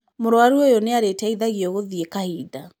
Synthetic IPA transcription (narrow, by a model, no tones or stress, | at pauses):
moɾwaɾuojɔneaɾetɛiðaɣiɔɣoðiekahida